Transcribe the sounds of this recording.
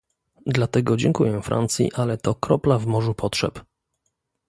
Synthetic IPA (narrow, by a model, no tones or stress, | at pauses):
d̪lat̪ɛɡɔd͡ʑɛŋkujɛfɾʔa̰nt̪sʲjḭʔalɛt̪ɔkɾɔplavmɔʐupʰɔtʂɛp